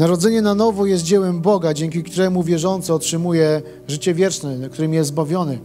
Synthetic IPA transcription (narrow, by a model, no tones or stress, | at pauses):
naɾɔd̪zɛɲɛnanɔvɔjɛst̪̚d͡ʑɛwɛmbɔɡad͡ʑɛŋk̬ʲikt̪uɾɛmuvʲjɛʐɔnt̪sɛɔtʂɘmujɛ | ʐɘt͡ɕɛvʲjɛt͡ʂnɛk̚t̪uɾɛmʲijɛst̪zbavʲjɔnɘ